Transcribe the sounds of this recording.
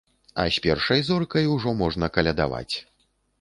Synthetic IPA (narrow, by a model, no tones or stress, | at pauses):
ɐ̰sʲpʲɛrʂɐjzɔrkɐjwʐɔmɔʐnɐkɐlʲɛd̪a̰va̰t͡sʲ